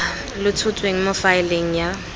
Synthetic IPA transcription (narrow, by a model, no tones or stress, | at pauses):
lʊtʰʊtʰʼweŋ̩mʊfaɪleŋ̩ja